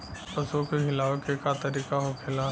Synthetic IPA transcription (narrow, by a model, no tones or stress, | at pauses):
pɐsokeɦɪlaːʋkekat̪ɐɾiːkaɦokʰɪla